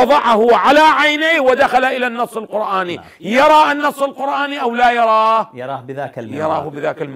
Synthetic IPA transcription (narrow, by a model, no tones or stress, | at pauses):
ɑðˤɑʕahʊʕalaːʕajnajhwɪd̪axalaʔɪlanːɑsˤːɪlqʊɾʔaːni | jɑɾˤɑːʔanːɑsˤːɪlqʊɾʔaːniʔawlaːjɑɾˤɑːhːðːjɑɾˤɑːhʊbɪðaːkalm